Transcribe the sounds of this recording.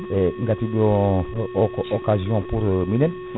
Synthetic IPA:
eŋɡat̪idɔ̃ | okazjɔ̃puɾminɛn

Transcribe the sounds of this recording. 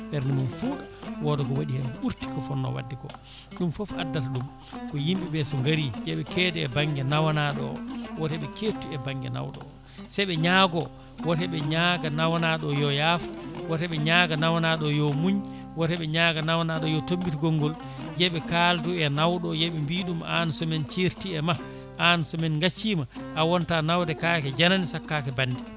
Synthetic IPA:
ɓɛɾnimunfuːɗɔwɔdɔkɔwaɗihɛmkɔɓuɾti̥kɔfɔnːɔ̰wa̰dːikɔ̰ | ɗumfɔfa̰dːataɗum | kɔjimɓiɓɛsɔŋɡaɾijɛɓɛkɛːdɛɛbaŋɡɛnawanaɗɔ̰wɔtɛɓɛkʰeːtːuɛbaŋɡɛna̰wɗɔ̰ | sɛjɓɛɲaɡɔ | wɔtɛɓɛɲaɡanawanaɗɔjɔjaːfḁwɔtɛɓɛɲaːɡanawanaɗɔjɔmuɲ | wɔtɛɓɛɲaɡanawanaɗɔjɔtombitiɡɔŋɡɔl | jɛɓɛkalduɛnawɗɔjɛɓɛmbiːɗuma̰nsɔmɛnt͡ʃiɾtiɛma | ʔansɔmɛnŋɡat͡ʃːimaʔawɔntanawdɛkakɛd͡ʒananisakːakɛbanːdi

